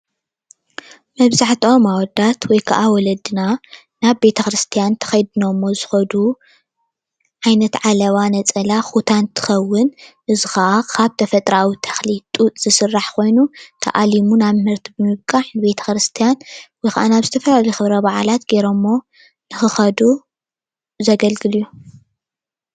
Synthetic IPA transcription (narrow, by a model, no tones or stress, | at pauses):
mɐβzaħt̪ʰiʔo̞mawɔd̪at̪wɔjkʰaʔawɔlɐd̪ɨna | naβbe̞t̪ʰɐxɾɨst̪ʰijant̪ʰɐ̥xɐjd̪ɨnomːo̞zɨxɐd̪u | ʕajnɐt̪ʕalɐβanɐt͡sʼɐlaxut̪ʰant̪ʰɨ̥xɐwːɨnʔɨzɨxɐʔakʰaβt̪ʰɐfɐt̪ʼɾawit̪ʰɐ̥xlit̪ʼut̪ʼz̥ɨsɨrːaħkʰo̞jnut̪ʰɐ̰ʔalimunaβmɨhɨɾt̪ʰibɨmɨβkʼaħnɨbe̞t̪ʰɐ̥xɾɨst̪ʰijanwɔjxa̰ʔanaβzɨt̪ʰɐfɐlaljxɨβɾɐβaʕalat̪ɡeɾomːo̞ | nɨxɨxɐd̪u | zɐɡɐlɡɨlijːu